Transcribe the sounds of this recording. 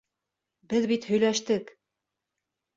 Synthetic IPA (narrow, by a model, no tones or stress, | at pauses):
bɘðbit̪hɵ̆jlæʃt̪ɘk